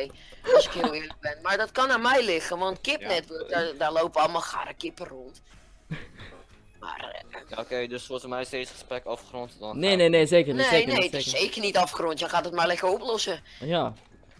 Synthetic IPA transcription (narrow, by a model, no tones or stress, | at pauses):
ɔsɪkhiəɪələk̚bɪnmardɔtkɔnamɛjlɪɣəʋɔntkɪp̚nɛtʋɪddalowpʋɔlˠmɔlˠxa̰rəkɪpəront | ma̰rokeːdøsosəmɛjsteːsxə̥sprɛkɔfxrontdɔnneneneːseːkəneneːtɪsseːkərnitɔfxrontjɔxadɔtmarlɛkəroplɔsəja